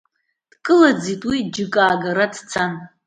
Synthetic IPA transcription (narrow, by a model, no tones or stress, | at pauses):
d̥kʼɨlad͡zitʼwid͡ʒɪkʼaːɡaɾadt͡sʰan